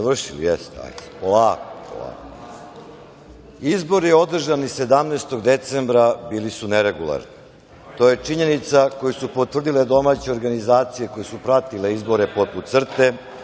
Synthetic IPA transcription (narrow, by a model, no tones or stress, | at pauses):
aʋr̩ʃilḭjest̪a̰polaːko̥po̰lˠa̰ːko | izbo̞ɾijeo̞d̪r̩ʒanise̞d̪amneːst̪oɡd̪e̞t̪sembɾabiːlisuneɾe̞ɡulˠa̰ɾni | t̪o̞je̞t͡ʂiɲe̞nit̪sako̞jusupot̪ʋr̩d̪ile̞d̪o̞mat͡ɕeoɾɡanizaːt̪sijeko̞jesupɾat̪ile̞izbo̞ɾe̞poput̪t̪sr̩t̪e̞